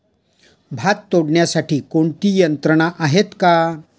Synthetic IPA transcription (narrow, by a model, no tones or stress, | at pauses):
bʱat̪ːoɽɳjasaʈʰiːkoɳt̪iːjənt̪ɾəɳ̃aʔaɦet̪ka